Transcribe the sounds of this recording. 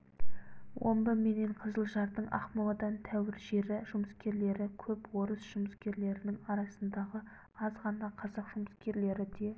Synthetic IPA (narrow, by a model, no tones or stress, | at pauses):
wʔo̞̰mbəme̞ne̞ɴqʰəzəlˠʒɑɾd̪əɴɑ̰χmolˠɑd̪ɑnt̪ʰæwɪɾʒe̞ɾɪʒ̥ʊməskʲe̞ɾle̞ɾɪkʲʰɵpwo̞ɾəsʒ̥ʊməskʲe̞ɾle̞ɾɪnɪŋɑɾɑsənd̪ɑʁə | ɑzʁɑnɑqʰɑzɑqʒ̥ʊməskʲe̞ɾle̞ɾɪd̪e̞